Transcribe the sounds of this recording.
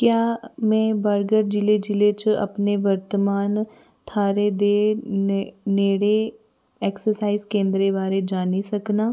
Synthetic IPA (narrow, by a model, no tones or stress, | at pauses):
kjaːmɛ̃ːbəɾɡəɾd͡ʒɪled͡ʒɪlet͡ʃɐ̰pneʋəɾt̪əmaːn | t̪ʰaːɾed̪e | neːɽe | ɛːksəɾsaːizkẽːnd̪ɾebaːɾed͡ʒaːnisɐknaː